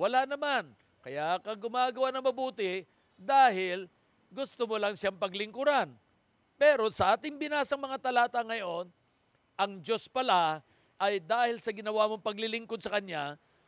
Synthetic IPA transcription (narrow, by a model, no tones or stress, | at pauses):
wɐlanɐman | kɐjakɐɡʊmaːɡɐwanɐŋmɐbuːt̪ɪ | d̪aːɦɪl | ɡʊst̪omolɐŋʃaŋpɐɡlɪŋkʊɾan | pɛɾo̞sɐʔaːt̪ɪŋbɪnaːsɐŋmɐŋat̪ɐlaːt̪ɐŋɐjo̞n | ʔɐŋd͡ʒo̞spɐla | ʔɐjd̪aːhɪlsɐɡɪnɐwaːmoŋpɐɡlɪlɪŋko̞d̪sɐkɐɲja